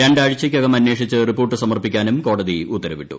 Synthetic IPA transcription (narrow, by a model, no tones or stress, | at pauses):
ɾeɳɖaːɻit͡ɕːɐkʲːjoɡɐmɐnːweːʂit͡ɕːɨripːoːrʈːɨsɐmɐrpikʲːaːnumko̞ːɽɐðiut̪ːɐɾɐʋiʈːṵ